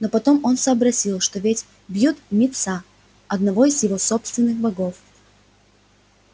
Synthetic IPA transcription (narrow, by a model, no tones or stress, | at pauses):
nopɐt̪o̞mo̞nsəːbɾɐsʲilˠʂt̪ovʲetʲ | bjut̪mʲɪt̪sa | ɐd̪nɐvo̞ɪzjɪvo̞sopst̪vʲɪnːɨxbɐɡo̞f